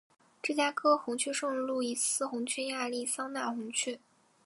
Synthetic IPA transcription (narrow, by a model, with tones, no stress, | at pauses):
ʈ͡ʂɤ˥˩t͡ɕja˥kʰɤ˥xʊ˧˥ŋt͡ɕʰy˥˧ʂɤ˥˧ŋɻu˥˧lu˥˩i˧˥sɹ̩˥xʊ˧˥ŋt͡ɕʰy˥˧ja˥˧li˥˩sɑ˥ŋna˥˩xʊ˧˥ŋt͡ɕʰy˥˩